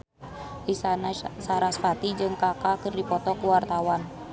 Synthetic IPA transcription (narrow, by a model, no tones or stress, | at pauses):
ʔisanasaɾasfat̪id͡ʒɨŋkakakərdipɔt̪ɔkəwart̪awan